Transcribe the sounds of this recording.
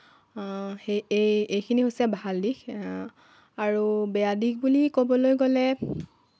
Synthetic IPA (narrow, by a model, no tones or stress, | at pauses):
eejejkʰiniɦojsɛbaɦaldik | aɹubɛjadik̚bulikobɔlojɡolɛ